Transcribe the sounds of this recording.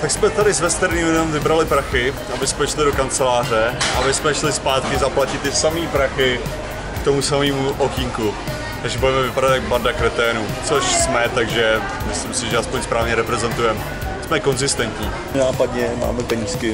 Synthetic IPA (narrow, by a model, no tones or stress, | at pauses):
t̪aksmɛt̪adɪsvɛst̪ɛɾɲiːmlɛdɛmvɪbɾalɪpɾaxɪ | abɪsmɛʃlɪdo̞kant͡sɛlaːr̝ɛʔabɪsmɛʃlɪspaːt̪kɪzaplacɪt̪ːɪsamiːpɾaxɪ | kt̪o̞musamiːmuʔokiŋku | t̪aɡʒɛbudɛmɛvɪpadat̪jaɡ̚baɾdakɾɛt̪ɛːnut͡so̞ʃsmɛt̪aɡʒɛ | mɪslimsɪʒɛaspoɲspɾaːvɲɛɾɛpɾɛzɛnt̪ujɛm | smɛko̞nzɪst̪ɛnt̪ɲiː | naːpadɲɛma̰ːmɛpɛɲiːskɪ